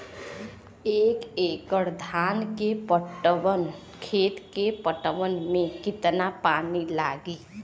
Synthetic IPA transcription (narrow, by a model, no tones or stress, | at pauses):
eːkeːkəɽd̪ʱaːnkepəʈən | kʰeːt̪kepəʈəʋənmẽkɪt̪napaːnilaːɡiː